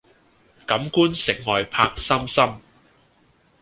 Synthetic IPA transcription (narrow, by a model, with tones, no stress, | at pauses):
kɐ˨˥mkuː˥nsɪ˨˩ŋ̚ŋɔː˨jpʰaː˧k̚sɐ˥msɐ˥m